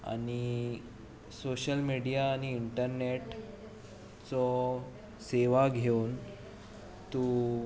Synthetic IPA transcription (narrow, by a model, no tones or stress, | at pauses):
a̰ñi | soɕəlmiɽijaːñiːɳʈəɾneʈ | t͡sɔ | seʋaɡʱeun | t̪u